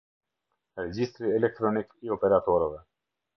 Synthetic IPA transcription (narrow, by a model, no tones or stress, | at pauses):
ɾɛd͡ʑist̪ɾiɛlɛk̚t̪ɾɔnikiɔpɛɾat̪ɔɾɛvɛ